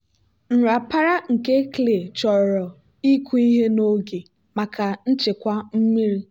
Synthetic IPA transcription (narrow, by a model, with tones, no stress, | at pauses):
n̩˨ɾa˨pa˦ɾa˦ŋ̩˨ke˦kle˨t͡ʃɔ˨ɾɔ˨ | i˦kʷu˦i˦ɦe˦no˦ɡe˨ | ma˨ka˨n̩˦t͡ʃɪ˨kʷa˦m̩˦mi˦ɾi˦